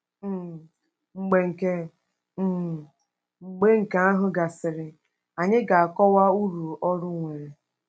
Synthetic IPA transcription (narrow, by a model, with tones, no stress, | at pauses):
ŋ͡m̩˨ɡ͡be˨ŋ̩˨ke˦˨ | ŋ͡m̩˨ɡ͡be˦ŋ̩˨ka˦a˦ɦʊ˦ɡa˨sɪ˨ɾɪ˨ | a˨ɲɪ˦ɡa˨a˨kɔ˦wa˦u˦ɾu˨ɔ˦ɾʊ˦ŋʷe˨ɾe˨